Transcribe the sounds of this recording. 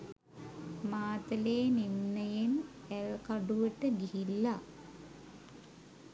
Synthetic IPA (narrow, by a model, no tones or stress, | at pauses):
maːt̪ɐleːninːɐjenelkɐɖuʋeʈːɨɡiɦilːɐ